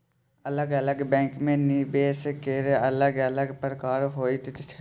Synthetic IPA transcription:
ələɡələɡbɛ̃ːkmẽːniːbeːskeɾələɡələɡpəɾkaːɾɦoːiːt̪t͡ʃ̪t͡ʃʰ

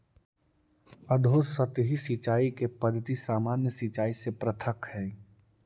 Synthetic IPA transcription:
əd̪ʱosət̪ɦisit͡ʃaːikepəd̪ʱːət̪isaːmaːnjəsit͡ʃaːisepɾət̪ʰəkhɛː

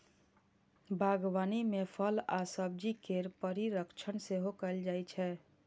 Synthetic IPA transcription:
bʱaɡʋanimepʰəlasəb̚d͡ʒikeɾpəɾiɾəkt͡ʃʰənseɦokəɪld͡ʒajt͡ʃʰɛː

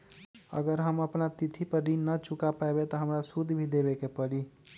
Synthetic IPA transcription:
ə̰ɡəɾɦəməpnat̪it̪ʰipəɾɾinːət͡ʃukapaebet̪ɔɦəmɾasud̪ʱbʱid̪ebekepəɾi

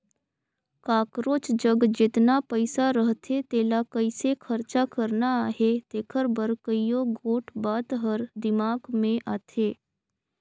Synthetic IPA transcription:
kaːkɾoːt͡ʃd͡ʒəɡd͡ʒɪt̪napəɪsaɾəɦt̪ʰet̪eːlakəɪsekʰəɾt͡ʃakəɾnaɦet̪eːkʰəɾbəɾkəijõɡʱoːʈʰbaːt̪ɦəɾd̪ɪmaːɡmẽʔaːt̪ʰeː

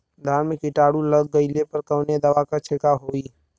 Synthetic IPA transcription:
d̪ʱaːnmẽkɪʈaːɽuləɡːəɪlepəɾkəʊned̪əʋakat͡ʃʰekaɦoːiː

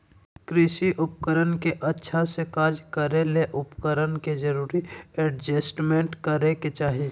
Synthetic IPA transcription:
kɾɪʃiʔʊpkəɾənkeʔɐtːʃʰasekaːɾd͡ʒkəɾeleʔʊpkəɾənked͡ʒəɾuːɾiɛɖd͡ʒəsʈmẽɳʈkəɾeket͡ʃaːɦi

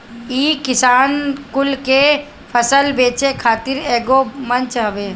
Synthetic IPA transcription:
iːkɪsaːnkʊlke | pʰəsəlbeːt͡ʃekʰaːt̪ɪɾeːɡomɐ̃nt͡ʃɦɐʋeː

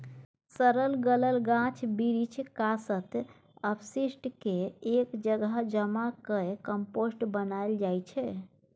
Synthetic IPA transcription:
səɾəlɡələlɡãt͡ʃʰbiɾit͡ʃʰkasət̪ | əbʰsisʈkeekd͡ʒəɡəd͡ʒəmakəkəmposʈbənajld͡ʒajt͡ʃʰɛ

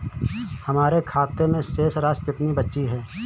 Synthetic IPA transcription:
hɐmaːɾekʰaːt̪emẽʃeːsɾaːskɪt̪nibɐtːʃiɦɛː

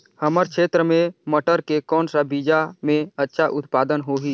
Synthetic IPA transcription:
həməɾkʰeːt̪ɾəmẽməʈəɾkekɔːnsabiːd͡ʒamẽətːʃʰaʔʊt̪paːd̪ənɦoːɦi

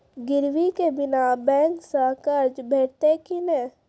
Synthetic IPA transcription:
ɡɪɾʋikebɪnabɛ̃ːŋksaːkəɾd͡ʒbʱeːʈt̪ekinẽː

